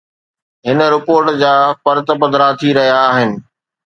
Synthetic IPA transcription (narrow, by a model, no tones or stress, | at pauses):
ɦɪnə̆ɾɪpoːɾʈd͡ʑaːfɐɾt̪bɐd̪ɾat̪ʰiɾɐɦijaːɦɪnɪ̆